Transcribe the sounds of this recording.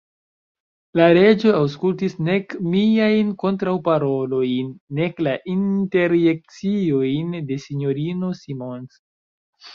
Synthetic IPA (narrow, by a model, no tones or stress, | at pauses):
laɾe̞d͡ʒo̞awskultisne̞kmiajnko̞ntɾawpaɾo̞lo̞jnːe̞klaʔinte̞ɾjek̚t͡siojnde̞siɲo̞ɾino̞simo̞ns